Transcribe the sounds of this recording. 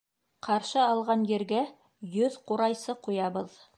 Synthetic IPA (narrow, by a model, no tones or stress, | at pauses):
qɑɾʃɤɑlˠʁɑnjɘ̆ɾɡæ | jɵðquɾɑjsɤqujɑβɤð